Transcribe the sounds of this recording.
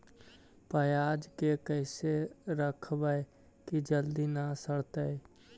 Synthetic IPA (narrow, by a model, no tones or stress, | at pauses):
pəjaːd͡ʒkekəɪseɾəkʰbəe | kid͡ʒəld̪inasəɽt̪ə